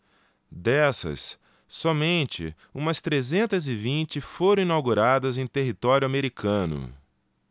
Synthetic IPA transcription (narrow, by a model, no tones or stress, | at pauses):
d̪ɛsɐ̰sː | ɔmẽnt͡ʃɪ̰ | ũmɐst̪ɾezẽnt̪ɐzɪvĩt͡ʃɪfoɾɐ̃ĩnawɡuɾad̪ɐzẽj̃t̪eɦit̪ɔɾjʊameɾikʰɐ̃nʊ̰